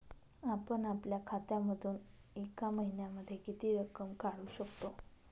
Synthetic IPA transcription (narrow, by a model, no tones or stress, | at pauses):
apəɳapljakʰat̪jaməd̪ʱuːn | ekaməɦinjaməd̪ʱːjekit̪iːɾəkəmkaɽuːɕəkt̪o